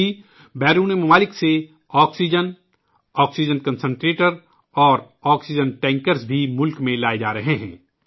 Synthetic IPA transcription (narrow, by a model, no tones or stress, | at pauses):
i | bɛːɾuːnemɐmaːlɪkse | ɔːksid͡ʒən | ɔːksid͡ʒənkə̃nsə̃ɳʈɾeːʈəɾ | ɔːɾ | ɔːksɪd͡ʒənʈɛ̃ːŋkəɾsbʱimʊlkmẽlaːed͡ʒaːɾɐɦeɦɛ̰̃ː